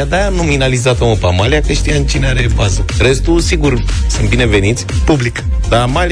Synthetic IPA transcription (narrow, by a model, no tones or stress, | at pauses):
ad̪anominalizat̪oməpamaliakəʃt̪ijamt͡ʃineaɾe̞bazəre̞st̪usiɡursɨnt̪bine̞ve̞nit̪sʲpublikd̪amal